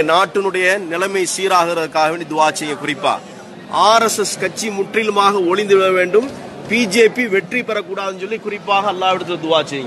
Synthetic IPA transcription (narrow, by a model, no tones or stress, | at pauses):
naːʈːɯnɯɽɐjɐnɪlɐmɐɪsiːɾaːɣɪɾɐðɯkːaːɣɐʋeːɳɖid̪ʊʋaːt͡ʃːɐjɐŋɡɐkʊrɪpːa̰ː | aːɾɛsɛskɐt͡ʃːimʊʈrɪlɯmaːɣɐɔɻɪnd̪ɯʋɪɭɐʋeːɳɖɯm | piːd͡ʒeːpiʋɛʈripːɐɾɐkːuːɽaːðɯnsɔlːikʊrɪpːaːɣɐːlːaːʋɪɽɯt̪ːɯlɐd̪ʊʋaːt͡ʃːɐjɐŋɡɐ